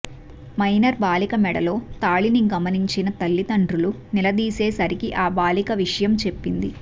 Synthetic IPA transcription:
mɐjnɐɾbaːlikɐmɛɽɐ̰lo̞ːt̪aːɭiniɡɐmɐniɲt͡ʃinɐt̪ɐlːit̪ɐɳɖɾulunilɐd̪iːse̞ːsɐɾikiʔaːbaːlikɐʋiʂɐjɐmt͡ʃe̞pːind̪i

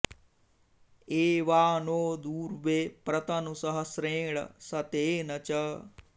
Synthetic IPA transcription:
eːʋaːnoːd̪uːɾʋeːpɾɐt̪ɐnusɐɦɐsɾẽːɭɐ̰sɐt̪eːnɐt͡ʃɐ

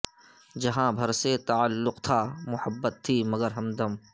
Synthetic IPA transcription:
d͡ʒɐɦãbʱɐɾset̪ɐalːʊqt̪ʰaːmʊhəbːət̪ʰːiːmɐɡəɾɦɐmd̪ɐm

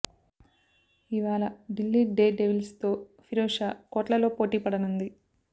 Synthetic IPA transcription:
iʋaːɭɐɖilːiːɖe̞ːɖeʋilst̪o̞ːfʰiɾoːʂaːkɔːʈlɐlo̞ːpo̞ːʈiːpɐɽɐnund̪i

